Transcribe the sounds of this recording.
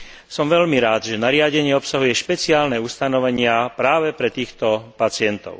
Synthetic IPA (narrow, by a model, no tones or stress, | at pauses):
sɔmʋɛʎmiɾaːd̪ʒɛnaɾɪaɟɛɲɪɛɔpsaɦujɛʃpɛt͡siaːlnɛust̪anɔʋɛɲɪapɾaːʋɛpɾɛt̪iːxt̪ɔpat͡sɪɛnt̪ɔ̰ʊ